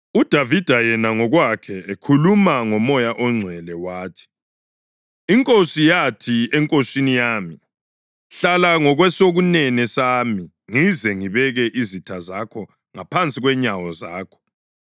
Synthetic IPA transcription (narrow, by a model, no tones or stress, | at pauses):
ud̥ʱavid̥ʱajɛnaŋɔɣwakʰɛekʰulumaŋɔmɔjaʔɔŋ͡ǀʱwɛlɛwaːtʰi̥ | iŋkʼosijatʰiɛŋkʼosinijaːmi | ɬalaŋɔɣwɛsoɣunɛnɛsaːmi | ŋizɛŋiβɛɣɛʔizitʰazakʰɔ | ŋapʰant͡sʼiɣwɛɲawɔzaːkʰɔ̥